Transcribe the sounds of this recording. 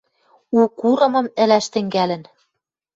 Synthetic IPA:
ukuɾɤ̆mɤ̆mɘ̆læʃt̪ɘ̆ŋɡælɘ̆n

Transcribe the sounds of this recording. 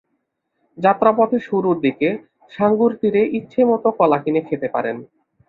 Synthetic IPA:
d͡ʑat̪ːɾapɔt̪ʰeʃuɾuɾd̪ike | ʃaŋɡuɾt̪iɾeʔitːɕʰemɔt̪okɔlakinekʰet̪epa̰ɾen

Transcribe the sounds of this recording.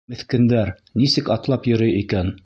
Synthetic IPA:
mɘ̆θkɘ̆nd̪æɾ | nisɘkɑt̪lˠɑpjɵ̆ɾɘjikæn

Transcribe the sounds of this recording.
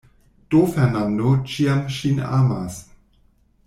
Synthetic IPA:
d̥ofɛʁnandot͡ʃiamʃina̰ːmas

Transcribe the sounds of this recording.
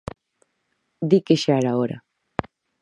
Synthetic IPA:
d̪ikeʃaɾaoɾa̰

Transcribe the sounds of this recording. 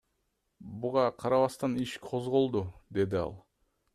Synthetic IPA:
buʁɑqʰɑɾɑβɑst̪ɑniʃqʰo̞zʁo̞lˠd̪ud̪e̞d̪iɑ̰lˠ

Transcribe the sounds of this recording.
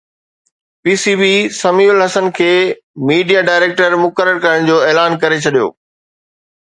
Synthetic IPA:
piːsiːbisɐmiːʊlɦɐsənkʰeː | miːɖijaɖaːɪɾeːk̚ʈəɾmʊkəɾəɾkɐɾəɽ̃d͡ʑoːeːlaːnkɐɾet͡ɕʰɐɗijo̰ː

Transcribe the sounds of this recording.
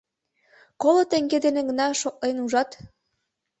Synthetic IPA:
kolot̪eŋɡed̪eneɡə̆nɑʃok̚lenuʒɑt̪

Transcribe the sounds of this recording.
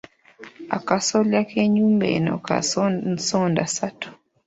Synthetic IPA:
a̰kasɔljakeɲumbḛnɔ̰ka̰sɔndasatu̥

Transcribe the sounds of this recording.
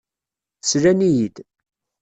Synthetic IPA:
θsɾænijid̪

